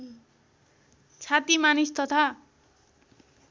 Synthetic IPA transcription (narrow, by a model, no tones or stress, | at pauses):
t͡sʰat̪imanist̪ʌt̪ʰa